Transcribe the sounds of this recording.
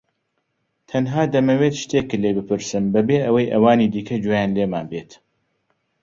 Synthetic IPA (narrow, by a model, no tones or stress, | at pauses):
t̪ʰɐnɦaːd̪ɐmɐwet̪ʃt̪eːkːɨlebɨpʰɨɾsɨmbɐbeːʔɐwɐjʔɐ̰waːniːd̪iːkʰɐd͡ʒojaːnleːmaːnbeːt̪